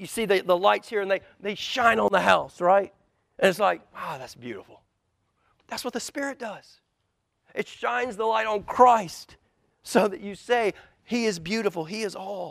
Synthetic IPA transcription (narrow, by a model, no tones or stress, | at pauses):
jɨsiðɨðəlaɪtshiɹɨ̃nðeɪ | ðeɪʃãɪ̃nə̃nðəɦaʊsɹaɪt̚ | ʔɨ̃nɨtslaɪk̚oʊðætsb̥jʉ̰ɾəfl̩ˠ | ðætswʌt̪̚ðɨspɪɹɨt̚d̥ʌz̥ | ʔɨtʃãɪ̃nzðəlaɪɾn̩kʰɹ̥aɪst | soʊðɨt͡ʃɨseɪ | iɪzbjʉɾəfl̩ˠiɨzɔlˠ